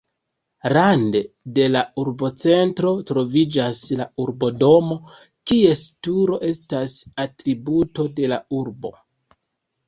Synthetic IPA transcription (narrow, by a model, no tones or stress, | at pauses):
ɾandede̞lauɾbo̞t͡se̞ntɾo̞tɾo̞vid͡ʒaslauɾbo̞do̞mo̞ | kie̞stuɾo̞ʔe̞stasatɾibuto̞de̞lauɾbo̞̰